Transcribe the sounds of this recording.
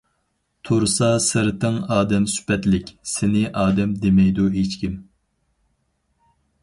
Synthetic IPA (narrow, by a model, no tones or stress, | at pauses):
t̪ʰuɾsɑsɨɾɨt̪ʰɨŋɑːd̪ɛmsy̥pɛt̪lɪkʲsɪnɪʔɑːd̪ɛmd̪emɛjd̪uɦet͡ʃkʲim